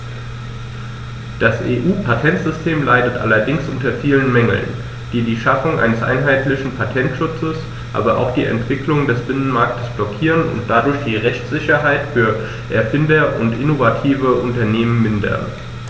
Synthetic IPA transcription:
d̥asʔḛːʔuːpʰatʰɛntz̥ʏstʰeːmlaɪdətʔa̰lɐdɪŋsʔʊntɐfiːlənmɛŋl̩n | d̥iːdiːʃafʊŋʔa̰ɪnəsʔa̰ɪnɦaɪtlɪçn̩pʰatʰɛntʃʊt͡səs | ʔa̰ːbɐʔa̰ʊxd̥ḭːɛ̰ntv̥ɪkʰlʊŋdɛsb̥ɪnənmaɐk̚tə̥sb̥lɔkʰiːʁənʊ̰nt̚d̥adʊɐçd̥iːʁɛçt͡sz̥ɪçɐɦaɪtfyːɐ | ʔɛɐfɪndɐʊ̰ntʔɪnovatʰiːvəʔʊntɐneːmənmɪndɐ̰n

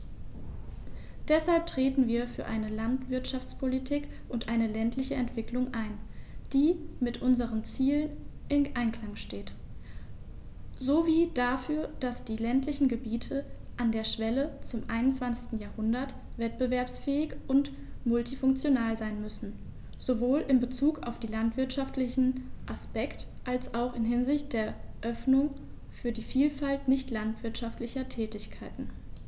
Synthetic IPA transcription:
d̥ɛshalp̚tʁ̥eːtn̩viːɐfyːɐʔaɪnəlantv̥ɪɐtʃaft͡spʰolitʰiːk | ʔʊntʔaɪnəlɛntʰlɪçəʔɛntv̥ɪklʊŋʔaɪnd̥iːmɪtʔʊnzəʁ̞ənt͡siːlənʔɪnʔaɪnkʰl̥aŋʃteːt | zoːviːd̥afyːɐd̥asd̥iːlɛntʰlɪçn̩ɡəbiːtʰəʔandeːɐʃv̥ɛlət͡sʊmʔaɪnʊnt͡sv̥ant͡sɪçstn̩jaːɐhʊndɐt | v̥ɛt̚b̥əvɛɐpsfɛːɪçʔʊnt | mʊltifʊŋk̚t͡sjonaːlzaɪnmʏsn̩ | z̥ovoːlɪmbət͡suːka̰ʊfd̥iːlantv̥ɪɐtʃaftlɪçn̩ʔaspɛkt | ʔalsʔaʊxɪnɦɪnzɪçt̚d̥eːɐʔœfnʊŋ | fyːɐdiːfiːlfaltnɪçtlantv̥ɪɐtʃaftlɪçɐtʰɛːtɪçkʰaɪtn̩

